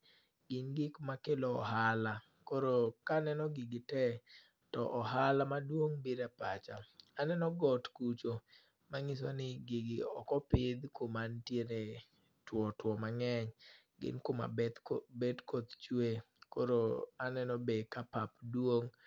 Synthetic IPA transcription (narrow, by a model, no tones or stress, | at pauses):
ɡɪnɡɪkmakelɔɔɦala | koɾokanɛnɔɡɪɡɪtɛ | tɔʔɔɦalamadwoŋbiɾapat͡ʃaanɛnɔɡɔtkut͡ʃo | maŋɪs̬wanɪɡɪɡɪɔ̰kɔpɪd̪komantjene | twɔtwɔmaŋɛɲ | ɡɪ̰nkoma̰bɛt̪bedkot̪t͡ʃwe | koɾoanɛnɔbekapapdwoŋ